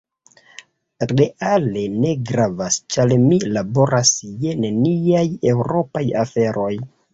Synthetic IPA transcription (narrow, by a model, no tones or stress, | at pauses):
ɾe̞ʔale̞ne̞ɡɾavast͡ʃalmilabo̞ɾʔasje̞neniaje̞wɾo̞pajafe̞ɾʔo̞j